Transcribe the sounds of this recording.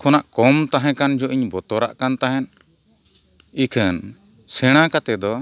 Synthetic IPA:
kʰɔnaʔkɔmt̪aɦɛ̃kand͡ʒɔʔiɲbɔt̪ɔɾa̰ʔkant̪aɦɛn | ikʰən | sɛɽ̃ãkat̪ɛd̪ɔ

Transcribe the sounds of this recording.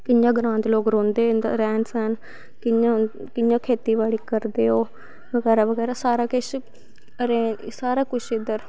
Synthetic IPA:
kɪjãːɡɾãːnt̪eloːkɾõːnd̪eːɾɛːnsən | kɪjã | kɪjãːkʰeːt̪iːʋaːɽiːkəɾd̪eːɦoː | ʋəɡɛːɾaːʋəɡɛːɾaːsaːɾaːkɪʃ | ɾeːsaːɾaːkʊt͡ʃʰɪd̪əɾ

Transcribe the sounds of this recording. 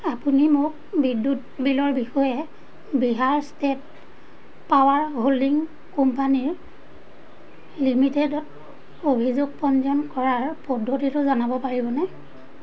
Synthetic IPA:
apunimʊk̚ | bidːutbilɔɹbixɔjɛ | biɦaɹstet | pawaɹɦoliŋ | kɔmpaniɹ | limitedɔt | obʱizoɡ̚pɔnzɔnkɔɹaɹpɔdʱːotitʊzanabɔpaɹibɔnɛ

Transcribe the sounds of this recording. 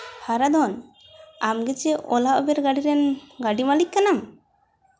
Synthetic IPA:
haɾad̪ɔn | amɡɛd͡ʒɛʔɔlaʔɔbɛɾɡaɖiɾɛnɡaɖimalikkːanam

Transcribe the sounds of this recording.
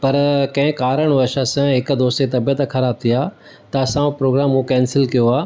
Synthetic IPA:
pɐɾkɐ̃ɦɪ̃kaːɾəɽ̃ʋəʃasãɦɪkd̪oːst̪et̪ɐbijət̪kʰɐɾaːb̚t̪ʰijaː | t̪ɐɐsãpɾoːɡɾaːmũkɛ̃ːnsɪlkijoaː

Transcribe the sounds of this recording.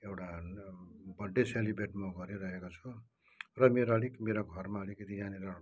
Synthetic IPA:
ewʈa | bʌɖːeselibʱeʈmoɡʌɾiɾʌɦekot͡sʰu | rʌmeɾʌɽikmeɾoɡʱʌrmaʌɽikʌt̪ijaniɾa

